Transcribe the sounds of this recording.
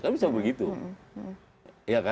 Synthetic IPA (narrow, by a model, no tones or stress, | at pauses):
kabisabəɡit̪u | jaka